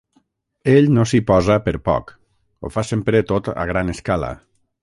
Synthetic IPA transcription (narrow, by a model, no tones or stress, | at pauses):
eʎnosipɔzəpəɾpɔ̰k | o̰fasempɾet̪ot̪ə̰ɣ̞ɾaneskalə̰